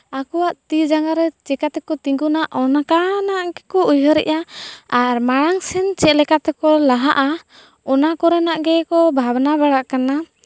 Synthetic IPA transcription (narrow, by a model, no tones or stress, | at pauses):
akɔwaʔt̪id͡ʒaŋɡaɾɛt͡ʃɛkat̪ɛkɔt̪iŋɡunaʔɔnakanaʔɡɛkɔujɔɾɛ̰ʔaaɾmaɽaŋsɛnt͡ʃɛlɛkat̪ɛkɔlaɦaʔa | ɔnakɔɾɛnaʔɡɛkɔbʱabnaβaɽaʔkana